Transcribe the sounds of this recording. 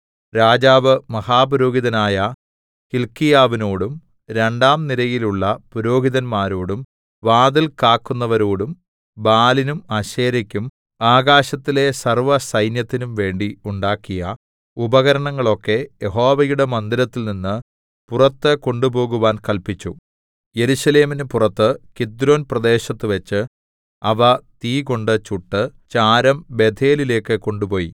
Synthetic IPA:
ɾaːd͡ʑaːʋɨmɐhaːpuɾo̞ːɡiðɐnaːjɐ | kilkːijaːʋinoːɽum | ɾe̞ɳɖaːmnilɐjiluɭːɐpuɾo̞ːɡiðɐnmaːɾoːɽum | ʋaːd̪ilkaːkːunːɐʋɐɾoːɽum | baːlinumɐɕeːɾikʲːum | aːɡaːɕɐt̪ːile̞sɐrʋɐsɐjnjɐt̪ːinumʋe̞ːɳɖiuɳɖaːkːijɐ | ubɐɣɐɾɐɳɐŋːɐɭo̞kːe̞jeɦo̞ːʋɐjuɽe̞mɐnd̪iɾɐt̪ːilninːɨ | purɐt̪ːɨko̞ɳɖubo̞ːɣuʋaːnkɐlpit͡ɕːṵ | jeɾuɕɐle̞ːminɨpurɐt̪ːɨkid̪ɾo̞ːnprɐd̪e̞ːɕɐt̪ːɨʋet͡ɕːɨ | ɐʋɐt̪iːko̞ɳɖɨt͡ɕuʈːɨt͡ɕaːɾɐmbe̞d̪ʱʰe̞ːlile̞ːkːɨko̞ɳɖupo̞ːjḭ

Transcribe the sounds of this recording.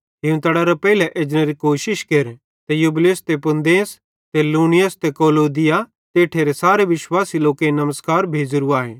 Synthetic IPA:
ɦɪũt̪ɐɽaɾɐpɛːilɛʔeːd͡ʒneɾikoːʃɪʃkeɾ | t̪ɛjublest̪epʊ̃nd̪eːs | t̪eluːnɪjəst̪ɛkoːloːd̪ɪja | t̪eːʈʰeɾesaːɾeʋɪʃwaːsiloːkeinɐməskaːɾbʱeːd͡ʒɾuaːɦeː

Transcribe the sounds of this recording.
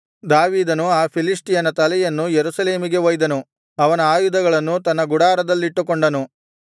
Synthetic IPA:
d̪aːʋiːd̪ɐnuaːpʰiliʂʈijɐnɐt̪ɐlɛjɐnːujeɾusɐle̞ːmiɡe̞ʋojd̪ɐnu | ɐʋɐnɐaːjud̪ɐɡɐɭɐnːut̪ɐnːɐɡuɽaːɾɐd̪ɐlːiʈːukoɳɖɐnu

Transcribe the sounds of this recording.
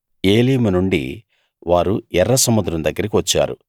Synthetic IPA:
eːliːmunuɳɖḭ | ʋaːɾuɛrːɐsɐmud̪ɾɐmd̪ɐɡːɐɾik̬iʋɐt͡ʃːa̰ːɾṵ

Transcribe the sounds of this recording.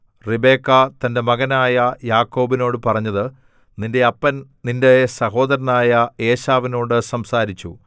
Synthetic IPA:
ribe̞ːkːɐt̪ɐnde̞mɐɣɐnaːjɐjaːkːo̞ːbino̞ːɽɨpɐrɐɲːɐðɨ | ninde̞ɐpːɐnninde̞sɐɦo̞ːd̪ɐɾɐnaːjɐe̞ːɕaːʋino̞ːɽɨsɐmsaːɾit͡ɕːu

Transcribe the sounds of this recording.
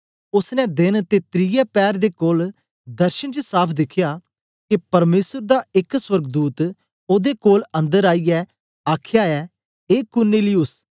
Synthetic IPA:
ʊsnɛ̃d̪ɪnt̪et̪ɾɪjɛːpɛːɾd̪eːkoːl | d̪əɾʃənt͡ʃəsaːpʰd̪ɪkʰɪjaː | kepɐɾmeːsəɾd̪aːɪkswəɾɡd̪uːt̪ | oːd̪eːkoːlə̃nd̪əɾaːijɛ | aːkʰjaːɛː | eːkʊɾniːliʊs

